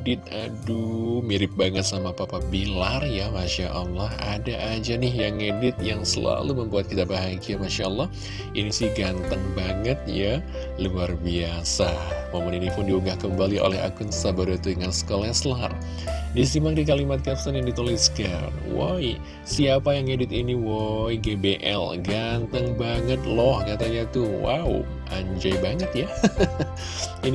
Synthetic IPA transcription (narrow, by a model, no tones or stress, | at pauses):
dɪt̪̚adumiɾɪp̚baŋət̪̚samapapabilarjamaʃaʔalːɑhadaʔad͡ʒanɪhjaŋedɪt̪̚jaŋsəla̰luməmbuat̪̚kit̪abaɦaɡiamaʃalːɑh | inisɪhɡant̪əŋbaŋət̪̚ja | luarbiasamomaninipʊndiuŋɡahkəmbalio̰lɛɦa̰kʊnsabaɾut̪udəŋansə̥kolaslar | disimaŋdikalimat̪̚kasanjaŋdit̪oliska̰nwo̰j | siapajaŋedɪt̪iniwojɡebeʔɛ̰lɡant̪əŋbaŋət̪̚lɔhkat̪aɲat̪uwa̰u | ʔa̰ɲd͡ʒajbaŋət̪ja | in